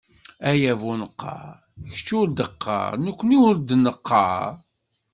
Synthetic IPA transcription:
æjævunəqːɑ̰ɾ | çt͡ʃːuɾd̪əqʰːɑ̰ɾnəkʷːəniwəɾd̪nəqʰːɑ̰ɾ

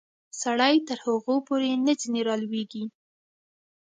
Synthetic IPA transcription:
saɽajt̪əɾhaɣopoɾenəd͡ʒineɾɑlweɡi

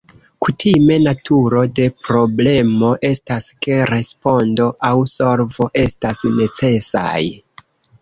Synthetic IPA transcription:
kutʰime̞natʰuɾo̞de̞pɾo̞ble̞mo̞ʔe̞staske̞ɾe̞spo̞ndo̞ʔawso̞lvo̞ʔe̞stasne̞t͡se̞sa̰j

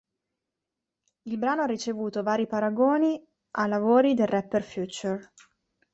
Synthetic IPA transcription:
ilbɾaːnoarːit͡ʃevuːt̪ovaːɾipaɾaɡoːni | ʔalavoːɾid̪elrɛpːerfjuːt͡ʃur

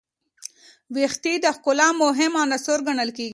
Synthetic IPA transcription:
wext̪id̪əxkʊlɑmoɦɪmɑnasoɾɡaɳəlkeɡi

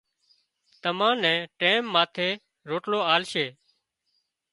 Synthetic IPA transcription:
t̪əmãːnɛ̃ːʈẽːmːaːt̪ʰeː | ɾoːʈloːaːlʃeː

